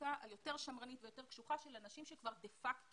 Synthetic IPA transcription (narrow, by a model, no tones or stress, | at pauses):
aʔaljo̞te̞ʁʃamʁanit̪vejot̪e̞ʁkʃuχaʃe̞lanaʃimʃekvaʁd̪efak